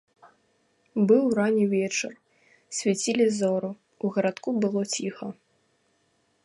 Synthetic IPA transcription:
bɨwranʲivʲɛt͡ʂɨr | sʲvʲat͡sʲilʲizɔɾu | uɣɐɾat̪kubɨlˠɔt͡sʲixɐ

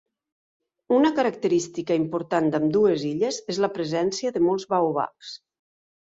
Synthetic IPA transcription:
unəkəɾək̚t̪əɾist̪ikəimpuɾt̪and̪əmd̪ueziʎəzezləpɾəzɛnsiəðəmɔlˠzβawβa̰ks

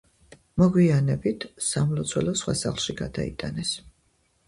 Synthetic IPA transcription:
mɔɡwianɛbit̪ʰsamlɔt̪sʰwɛlɔsχwa̰sa̰χlˠʃiɡad̪aḭt̪ʼanɛs

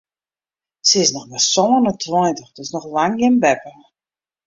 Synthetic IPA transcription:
səɪsnɔxnasɔwənətʰwɔjntəxdɔsnɔxlaŋjɪnbɛpə

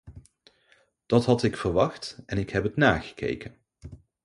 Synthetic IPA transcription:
d̥ɑtɦɑtɪkfəɹʋɑχtɛnɪkɦɛpətnaːχə̥kḛjkən

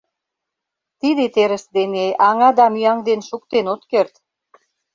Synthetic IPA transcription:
t̪id̪et̪eɾə̆sd̪enejʔɑŋɑd̪ɑmyɑŋd̪enʃuk̚t̪enot̪kert̪

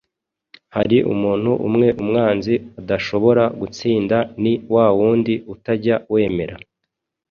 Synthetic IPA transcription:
haɾiʔṵmuːn̥huʔṵmŋe̞ʔumŋaːnziadaʃo̞βo̞ɾaɡut͡siːndaniwaːwuːndiutaɾɟawe̞ːme̞ɾa̰

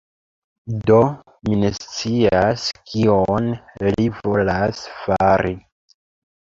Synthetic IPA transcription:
do̞ | minest͡siaskʰionlivo̞lasfaɾi

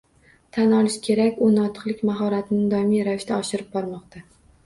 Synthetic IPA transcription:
t̪ʰanɒlˠɪʃkʲʰe̞ɾakʲʊnɒt̪ʰɨ̥qlˠɪkʲmaɦɒɾat̪ʰɪnɪd̪ɒmijɾavɪʃt̪ʰaɒʃɪɾɪp̚bɒɾmɒqt̪a

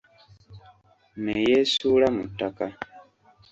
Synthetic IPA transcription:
nejesuːlamṵtːaka

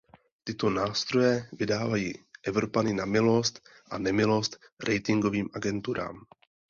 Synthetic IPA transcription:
t̪ɪt̪o̞naːst̪ɾo̞jɛvɪdaːvajiːʔɛvɾo̞panɪnamɪlo̞st̪ʔanɛmɪlo̞st̪ | ɾʔɛjt̪ɪŋɡo̞viːmʔaɡɛnt̪uɾa̰ːm

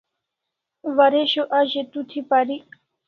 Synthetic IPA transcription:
waɾeɕoʔaʑet̪ut̪ʰipaɾi

